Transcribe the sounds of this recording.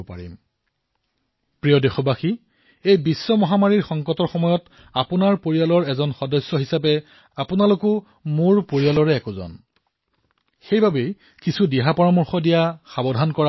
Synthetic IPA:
pa̰ɹḭm | pɹijɔdexɔbaxi | ejbisːɔmɔɦamaɹiɹxɔŋkɔtɔɹxɔmɔjɔt | apʊnaɹpoɹijalɔɹɛzɔnxɔdɔsjɔɦisapɛ | apʊnalokʊ | mʊɹpoɹialɔɹɛːkʊzɔ̰n | xejbʱabej | kisʰudɛɦapɔɹamɔɹxɔdijaxabɔdʱankɔɹa

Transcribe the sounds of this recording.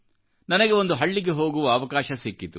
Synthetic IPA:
nɐnɐɡeo̞nd̪uɦɐɭːiɡe̞ɦo̞ːɡuʋɐɐʋɐkaːʃɐsikːit̪u

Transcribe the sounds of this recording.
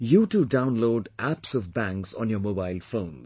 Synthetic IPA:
juːʈuɖãʊ̃nloːɖæpsɔvbæ̃ŋksɔ̰̃njɔmoːbaɪlfõːn

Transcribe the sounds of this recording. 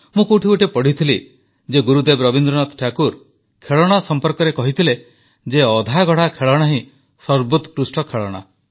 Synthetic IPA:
mũkuʈʰiuʈepɔɽ̤it̪ʰili | d͡ʒeɡuɾud̪ebɾɔbind̪ɾɔnɔt̪ʈʰakuɾ | kʰeɭɔɽ̃asɔmpɔɾkɔɾekɔɦit̪ʰile | d͡ʒeɔd̪ʱaɡʱɔɽ̤akʰeɭɔɽ̃aɦĩ | sɔɾbut̪kɾusʈɔkʰeɭɔɽ̃a̰

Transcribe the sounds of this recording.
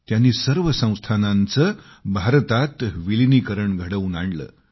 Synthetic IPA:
t̪janːiːsəɾʋəsə̃w̃st̪ʰanant͡sə | bʱaɾt̪at̪ʋilinikəɾəɳɡʱəɽəʋnaɳɖlə̰ː

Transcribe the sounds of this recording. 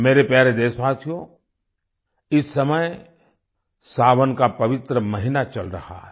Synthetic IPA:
meːɾepɛɦɾed̪eːʃbaːsijõ | ɪsːɐməj | saːʋənkapɐʋɪt̪ɾəmɐɦɪnat͡ʃɐlɾɐ̰ha̰ɦɛ

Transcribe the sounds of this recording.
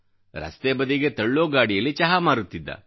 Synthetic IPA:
ɾɐ̰st̪eːbɐd̪iɡe̞t̪ɐɭːoːɡaːɽijɐlːit͡ʃɐɦamaːɾut̪ːid̪ːɐ̰

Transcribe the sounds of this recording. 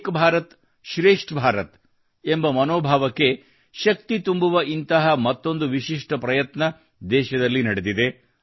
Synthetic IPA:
kbʱaːɾɐt̪ | ʃɾeːʂʈbʱaːɾɐt̪ | embɐmɐnoːbʱaːʋɐkːe̞ | ʃɐkt̪it̪umbuʋɐʔint̪ɐɦɐmɐt̪ːo̞nd̪uʋiʃiʂʈɐpɾɐjɐt̪nɐ | d̪ɛːʃɐd̪ɐlːinɐɽed̪id̪e̞

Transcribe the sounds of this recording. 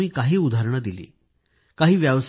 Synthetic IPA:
iːkaɦiːud̪ʱaɾɳəd̪ilḭː | kaɦiːʋjaʋs

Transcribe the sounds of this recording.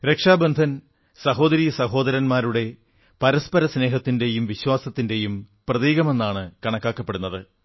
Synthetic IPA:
ɾe̞kʂaːbɐnd̪ʱɐn | sɐɦo̞ːd̪ɐɾiːjɐsɐɦo̞ːd̪ɐɾɐnmaːɾuɽe̞ | pɐɾɐspɐɾɐsne̞ːɦɐt̪ːinde̞jumʋiɕwaːsɐt̪ːinde̞jum | prɐðiːɣɐme̞nːaːɳɨkɐɳɐkːaːkːɐpːe̞ɽunːɐðɨ

